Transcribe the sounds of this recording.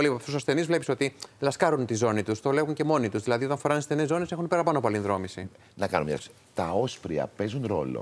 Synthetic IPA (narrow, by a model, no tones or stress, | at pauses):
lipɐft̪usɐsθe̞nizvle̞piso̞t̪ilɐskɐɾunt̪izo̞nit̪ust̪o̞le̞ɣuɲce̞mo̞nit̪uzðilɐðio̞t̪ɐnfoɾɐnɐsθe̞nezːo̞nese̞xunpeɾɐpɐnopoɐlinðɾo̞misi | nɐkɐnomɲɐ̰i | t̪ɐo̞spɾiɐ̰pe̞zunɾo̞lo̰